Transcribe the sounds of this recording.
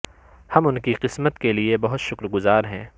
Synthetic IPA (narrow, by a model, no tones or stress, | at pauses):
hɐmʊnkiqɪsmət̪keliebɐɦʊt̪ʃʊkɾɡʊzaːɾɦɛ̃ː